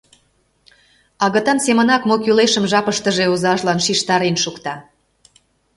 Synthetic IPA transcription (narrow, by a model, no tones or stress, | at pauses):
ɑɣə̆t̪ɑnsemə̆nɑkmokyleʃəmʒɑpəʃt̪əʒeuzɑʃlɑnʃiʃt̪ɑɾenʃukt̪ɑ